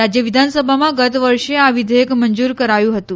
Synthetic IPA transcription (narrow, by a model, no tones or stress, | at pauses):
ɾad͡ʑjəʋid̪ʱansəbʱamãɡət̪ʋəɾʂeaʋid̪ʱəjekmənd͡zuːɾkəɾajũɦət̪ũ